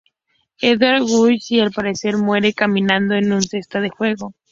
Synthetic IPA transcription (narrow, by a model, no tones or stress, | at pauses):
eðaɾɣujsialpaɾe̞se̞ɾmwe̞ɾe̞kamĩnãnd̪o̞enunse̞st̪aðexwe̞ɣo̞